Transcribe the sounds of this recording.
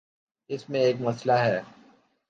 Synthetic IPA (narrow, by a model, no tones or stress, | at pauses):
ɪsmẽeːkmɐslaɦɛː